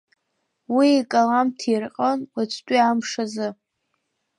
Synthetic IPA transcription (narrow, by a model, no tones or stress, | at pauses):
wiikʼalamtʰirqʼənat͡sʰtʷʼiamʂazɨ